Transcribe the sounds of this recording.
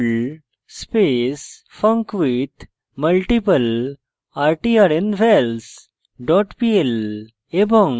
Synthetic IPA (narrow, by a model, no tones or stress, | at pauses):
l | speːs | fə̃ŋkʋit̪ | məlʈipəl | aːɾʈiaɾẽnɖʋels | ɖɔːʈpiel | ebə̃ŋ